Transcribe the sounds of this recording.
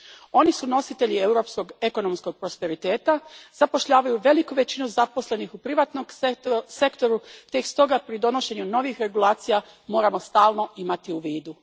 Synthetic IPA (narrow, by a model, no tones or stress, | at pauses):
o̞nisuno̞sit̪e̞ʎiewɾo̞psko̞ɡe̞ko̞no̞msko̞ɡ̚pɾo̞spe̞ɾit̪e̞ːt̪azapo̞ʃʎaːʋajuʋe̞likuʋe̞t͡ɕinuzapo̞sle̞nixupɾiʋaːt̪noɡse̞kt̪o̞ɾut̪ekst̪o̞ɡapɾid̪o̞no̞ʃe̞ɲuno̞ʋixɾe̞ɡulˠaːt̪sija | mo̞ːɾamo̞st̪aːlno̞ʔimat̪iuʋiːd̪u